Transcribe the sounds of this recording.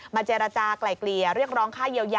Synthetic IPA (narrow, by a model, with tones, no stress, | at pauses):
maː˧t͡ɕeː˧ɾa˧t͡ɕaː˧kla˨˩jkli˨˩əɾɯ˥˩ək̚ɾɔː˦˥ŋkʰaː˥˩ji˧əwjaː˧